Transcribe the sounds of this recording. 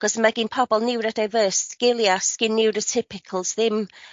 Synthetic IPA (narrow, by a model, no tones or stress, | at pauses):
ɡ̥ɔsmaɡɪnpʰɔbɔlˠnɪwɾədajvəːsɡ̥ɪlˠjasɡ̥ɪnːɪwɾətʰɪpʰɪkʰəl̩ˠzðɪm